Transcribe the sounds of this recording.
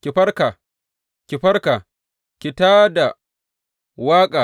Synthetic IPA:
kʲi˨ɸɐ˦rka˨ | kʲi˨ɸɐ˦ɽka˨ | kʲɪ˨taː˦da˨ | waː˦kʼaː˨

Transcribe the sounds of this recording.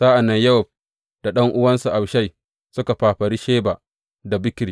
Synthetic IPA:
zaː˦ʔa˨nːɐ˦ɲjɐ˦sɔ˨b̚ | d̥a˨ɗɐ˦ŋʔʊ˦wɐ˦nsu˨ʔa˨bʃa˦˨j | sʊ˦ka˨ɸaː˨ɸɐ˨ɽi˦ʃeː˦ba˨ | da˨bɪ˦kʲɾiː˨

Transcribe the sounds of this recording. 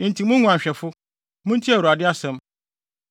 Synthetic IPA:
ĩ˨n̩˨tʰi˨mʊ̃˦ŋũ˨a˨ɕᶣɛ˨fʊ˦ | mʊ̃˦n̩tʰi˦a˨uɾa˨dɪ˦a˦sɛ̃˦m

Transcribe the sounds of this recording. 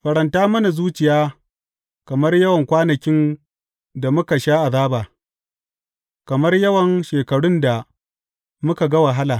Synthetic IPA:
ɸɐ˨ɽɐ˨ntaː˦mɐ˦na˨zuː˦t͡ʃɪ˨jaː˦ | kɐ˨mɐ˦rjɐ˦wɐ˨ŋkʷaː˦nɐ˨kʲɪ˦n | da˨mʊ˦ka˨ʃaː˦ʔa˨zaː˦baː˨ | kɐ˨mɐ˦rjɐ˦wɐ˨ŋʃeː˨kɐ˨ɽʊ˦nda˨ | mʊ˦ka˨ɡɐ˦wɐ˨ɦa˦laː˨

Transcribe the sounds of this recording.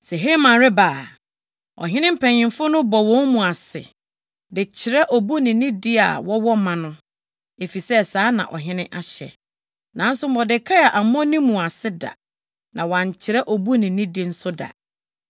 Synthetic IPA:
sɛ˨ɦe˦mã˨ɾɪ˦ba˨ | ɔ̰˨ɦɪ̃˦nɪ̃˦m̩˦pʰɛ̃˨ɲɪ̃˨mfʊ˦nʊ̃˦bɔ˨wɔ̃˦nmũ˨a˨sɪ̰˨ | dɪ˨t͡ɕʰɪ˨ɾɛ˦ʔɔ˨bu˦nɪ̃˨nɪ̃˦di˦a̰˨wɔ˦wɔ˦mã˨nʊ̃˦ | e˨fi˨sɛ˦saː˦nã̰˨ʔɔ̰˨ɦɪ̃˦nɪ̃˦ʔa˨ɕɛ̰˨ | nã˨˦n̩˦sʊ˦m˦ɔ˨dɪ˨kʰa˦a˨ʔa˨m˦ɔ̃˦nĩ˦mũ˨a˨sɪ˦da̰˨ | nʔã˨wɔ˨ã˨ɲ˨t͡ɕʰɪ˨ɾɛ˦ʔɔ˨bu˦nɪ̃˨nĩ˦di˦n̩˦sʊ˦da̰˨

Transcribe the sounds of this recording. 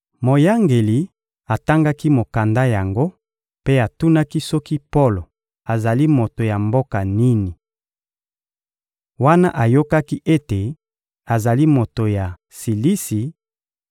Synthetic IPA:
mo˨ja˦ŋɡe˨li˨ | a˨ta˦ŋɡa˦ki˦mo˨ka˨nda˦ja˨ŋɡo˦ | pe˦a˨tu˦na˦ki˦sɔ˦ki˦po˦lo˨ | a˨za˨li˦mo˨to˨ja˨mbo˦ka˨ni˦ni˨ | wa˦na˦ʔa˨jo˦ka˦ki˦ʔe˦te˨ | a˨za˨li˦mo˨to˨ja˨ | si˨li˦si˨

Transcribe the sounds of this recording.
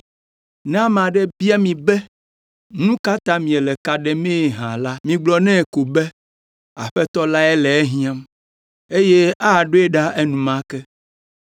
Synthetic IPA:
nã˦m˨ã˨ɖɛ˦bi˦a˦mĩ˨bɛ˦ | nũ˦ka˦t̪ã˦mĩ˨ɛ˨lɛ˨ka˨ɖɛ˨mẽ˦˨ɦã˨la˦mĩ˨ɡ͡blɔ˨nɛ̃˦˨ko˨bɛ˦ | a˨ɸɛ˦t̪ɔ˦la˦ɛ˦lɛ˨ɛ˦ɦĩ˦ã˦m | e˦je˦a˦a˨ɖo˦e˦ɖa˦ʔɛ˦nũ˨mã˦kɛ˦

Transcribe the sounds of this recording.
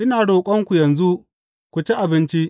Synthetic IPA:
ʔɪ˦naː˨ɽoː˨kʷʼɔ˦ŋkʷu˨jɐ˨nzu˦ | kʷu˨t͡ʃe˦ʔa˨bɪ˦nt͡ʃi˦ʔ

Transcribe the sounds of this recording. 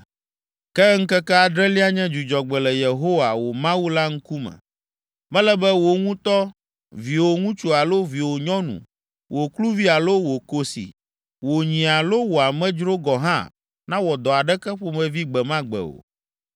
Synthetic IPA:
kɛ˦ŋ̩˦kɛ˦kɛ˦a˨d̪ɾɛ˦li˦a˦ɲɛ̃˦d͡ʒu˨d͡ʒɔ˨ɡ͡bɛ˨lɛ˨je˨ɦo˦wa˨wo˨mã˦wu˦la˦ŋ̩˦ku˦mɛ̰̃˨ | mɛ̃˦lɛ˦bɛ˦wo˨ŋũ˦t̪ɔ˦ | vi˨wo˨ŋũ˦t͡ʃu˦a˨lo˦vi˨wo˨ɲɔ̃˦nṵ̃˨ | wʔo˨klu˦vi˦a˨lo˦wo˨ko˦sḭ˨ | wo˨ɲĩ˨a˨lo˦wo˨a˨mɛ̃˦d͡ʒɾo˦ɡɔ˨ɦã̰˦ | nã˦wɔ˨d̪ɔ˨a˨ɖɛ˦kɛ˦ɸo˦mɛ̃˨vi˦ɡ͡bɛ˨mã˦ɡ͡bɛ̰˨o̰˨

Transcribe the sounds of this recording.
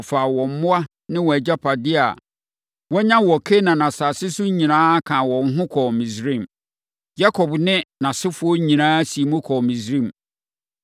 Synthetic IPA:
fa˨wɔ̃˨m̩˨˦mʊ̃˦a˦ | nɪ̃˦wɔ˨æ˨d͡ʑa˦pʰa˨dɪ˦a̰˨ | wɔ˦ɲã˦wɔ˨kʰe˦nã˨nã˨saː˨sɪ˦sʊ˦ɲĩ˨nãː˦kʰã˨wɔ̃˨n̩˦ɦʊ̃˦kʰɔ˨mĩ˨sɾĩ˦˨m | ja˦kʰɔ˨bnɪ̃˦nã˨sɪ˦fʊ˦ɔ˦ɲĩ˨nãː˦si˨e˨mʊ̃˦kʰɔ˨mĩ˨sɾĩ˦˨m˨

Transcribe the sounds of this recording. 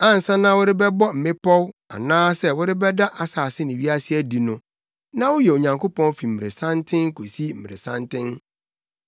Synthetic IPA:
ã˦n̩˨sã˦nã˦wʊ˦ɾɪ˦bɛ˦bɔ˦m̩˨mɪ̃˦pɔ˦wa̰˨nãː˦sɛ˦wʊ˦ɾɪ˦bɛ˦da˦ʔa˨saː˨sɪ˦nɪ̃˨ɥi˦a˦sɪ˦æ˦di˨nʊ̃˨ | nã˦wʊ˦jɛ˨o˨ɲã˨ŋkʰo˦pʰɔ̃˦n˦fi˨m̩˨ɾe˨sã˦ntʰɪ̃˦ŋ̩˦ko˨si˦m̩˨m˨ɾḛ˨sã˦ntɪ̃˦n

